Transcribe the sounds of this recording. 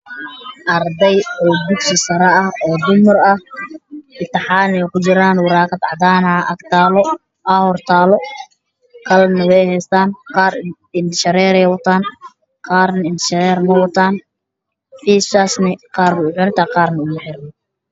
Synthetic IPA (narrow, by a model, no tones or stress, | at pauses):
ʔɐrd̪ɛjɔːbʊd̪sɪsɐɾɐɐhɔːd̪ʊmɐrɐh | ʔɪt̪ːɐħɑːnɛjkʰʊt͡ʃɪɾaːnwʊɾɑːqɑd̪ʕɑd̪aːnɐʔɐɡt̪ʰaːlɔ | ʔahɔrt̪ʰaːlɔ | kʰɐlnɐwɛjhɛjst̪ʰaːnqɑːr | ɪnt̪ʃɐɾɛːɾɛjwɐt̪ʰaːn | qɑːrnɐɪnt̪ʰʃɐɾɛːɾnɐwɐt̪ʰaːn | fiːsaːsnɪqɑːrkʊʊħʊnt̪ʰaːqɑːrnɐʊɣʊħɪɾnɔ